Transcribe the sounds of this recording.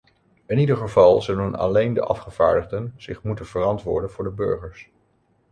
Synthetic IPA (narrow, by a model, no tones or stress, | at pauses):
ɪnidəɹχəvɑlˠzɵlənɑ̰lejndə̰ʔɑfχəv̥a̰ːɹdəχdənz̥ɪχmutənv̥ərɑntʋʊ̰ːɹdənvʊːɹdəbɵ̰ɹχəɹs